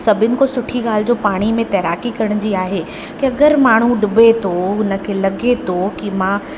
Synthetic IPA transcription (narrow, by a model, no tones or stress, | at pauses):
sɐbʱɪnɪ̆kosʊʈʰiɠaːl̤ɪd͡ʑoːpaːɽ̃imẽt̪ɐːɾaːkikɐɽ̃d͡ʑiaːɦe | kiɐɡəɾmaːɳ̤ũɖʊbet̪ʰoʊnə̆kʰelɐɡet̪ʰokɪmã